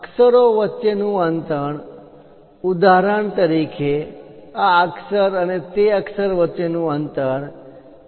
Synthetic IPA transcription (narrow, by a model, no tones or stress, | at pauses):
əksəɾoʋətːʃenũənt̪əɳ | ud̪ʱaɾəɳt̪əɾikʰeaəksəɾənet̪eəksəɾʋətːt͡ʃenũənt̪əɾ